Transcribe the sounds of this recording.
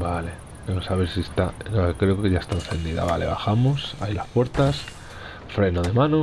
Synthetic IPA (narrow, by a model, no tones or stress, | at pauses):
bale | bemosaβ̞eɾsiest̪aakɾe̞okeʝaest̪aenθe̞nd̪iða̰βale̞̰β̞axamosa̰jlaspwe̞ɾt̪as | fɾe̞noðe̞mãno